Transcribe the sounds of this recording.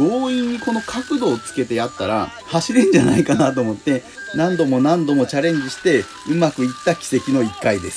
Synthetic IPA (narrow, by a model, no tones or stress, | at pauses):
ɡ̥o̞ːĩɲ̟ːiko̞no̞kʰakɯ̟d̪o̞ːt͡sɨ̥ke̞t̪e̞jat̪ːaɾa̰ | haɕiɾɯ̃ɲ̟d͡ʑa̰na̰ikanat̪̬o̞ːmo̞t̪ːe̞ | nãnd̪o̞mo̞nãnd̪o̞mo̞t͡ɕaɾẽ̞ɲ̟d͡ʑiɕi̥t̪e̞ | ɯ̟makɯ̟it̪ːakʲi̥se̞kʲino̞ikːaid̪e̞sɨ̥